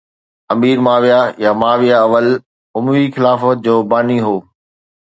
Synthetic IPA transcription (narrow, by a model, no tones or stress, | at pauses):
ɐmiːɾmaːʋijajamaːʋijaɐʋəl | ʊmʋixɪlaːfəd͡ʑoːbaːniɦoː